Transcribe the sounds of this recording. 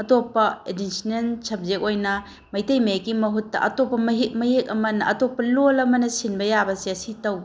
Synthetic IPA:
ɐtopːɐedisinensʰɐp̚zek̚ojnɐ | mɐjtɐjmekimɐɦutːɐ̰ʔɐ̰topːɐmɐɦimɐɦek̚ɐmɐnɐʔɐtopːɐlolɐmɐnɐsinbɐjabɐsiɐsitɐw

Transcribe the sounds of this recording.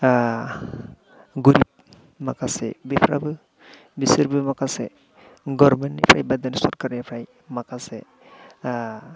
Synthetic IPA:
ɡuɾip̚ | makasɛ̰bipʰɾa̰bɯ | bisɯɾbɯmakasɛ̰ | ɡɔɾmɛntnipʰɾajbad̪ansɔɾkaɾnipʰɾaj | makasɛ

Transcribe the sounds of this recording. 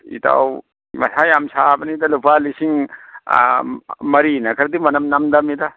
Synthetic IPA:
ḭta̰w | mɐ̰sʰajamsabɐnid̪alupalisiŋ | mɐɾinɐkʰɐɾd̪imɐnɐmnamd̪amid̪a

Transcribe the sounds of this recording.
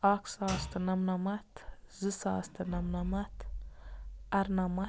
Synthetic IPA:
aksaːst̪ʰɐnɐmnɐmɐt̪zɨsaːst̪ʰɐnɐmnɐmɐt̪ | ɐɾnɐmɐ

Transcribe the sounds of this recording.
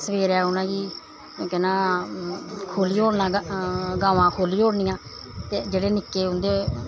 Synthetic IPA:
səʋeːɾɛːʊnãːɡiː | kɛnãː | kʰoːliːɦoːɽnãːɡãːʋãːkʰoːliːɦoːɽnɪ̃ːjãː | t̪eːd͡ʒeːɽeːnɪkːeːʊnd̪eː

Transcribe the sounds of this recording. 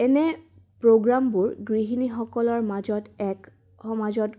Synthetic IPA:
ɛnɛ | pɹoɡɹambuɹɡɹiɦinixɔkɔlɔɹmazɔtɛk | hɔmazɔt

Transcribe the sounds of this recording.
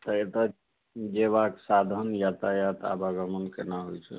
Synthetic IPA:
t̪əet̪ə | d͡ʒeβaksad̪ʱənjat̪ajat̪a̰baɡəmənkenaɦojt͡ʃʰɛ̰

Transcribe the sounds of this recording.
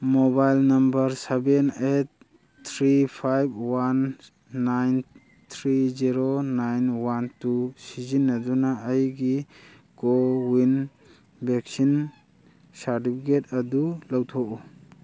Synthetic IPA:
mobajlnɐmbɐɾsebenet̚ | tʰɾipʰajb̚wanː | ajn | t̪ʰɾiziɾonajnwantusizinːɐdunaːjɡi | ɡ̥owin | beksin | saɾtipʰiketɐdulawtʰɔʔu

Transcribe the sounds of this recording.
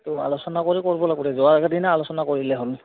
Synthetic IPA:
tua̰lɔsɔnakoɹikoɹibɔlaɡɔtɛzɔaɡadinaalɔsɔnakoɹilɛɦʊl

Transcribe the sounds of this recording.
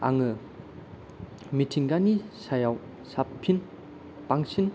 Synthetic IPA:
a̰ŋɯ | mitʰiŋɡanisajaw | sappʰːin | paŋsin

